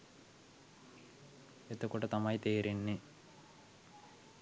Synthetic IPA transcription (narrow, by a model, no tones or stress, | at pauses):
et̪əkuʈɐt̪ɐmɐjt̪eːɾinːi